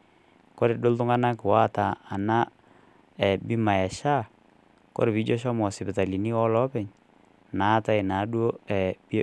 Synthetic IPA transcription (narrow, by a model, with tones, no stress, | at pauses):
kɔ˦ɾe˨do˦ltʊ˦ŋa˦na˦kɪ˨wa˦˨taː˨na˦ | ɛ˨bi˦ma˨ɛ˨ʃa˦˨ | kɔ̰˦ɾe˨bi˨˦d͡ʒɔ˦ʃɔ˦mɔ˨sɪ˨pɪ˨ta˨li˨ni˦ɔ˦lɔ˦pɛ˨ɲ | na˨˦ta˦ɪ˨na˨˦dwo˦ɛ˨b